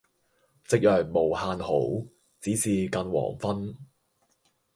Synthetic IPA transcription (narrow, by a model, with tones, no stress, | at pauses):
t͡sɪ˨k̚jœː˨k̚mo˨˩whaː˧nho˨˥w | t͡siː˨˥siː˨˧kɐ˧nwɔ̰ː˨˩ŋfɐ˥n